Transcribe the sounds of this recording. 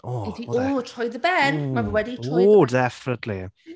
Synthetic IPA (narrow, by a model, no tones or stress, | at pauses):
oɪθiotʰɔjðəbɛnmavəwɛditʰɔodɛfɪnətʰlḭ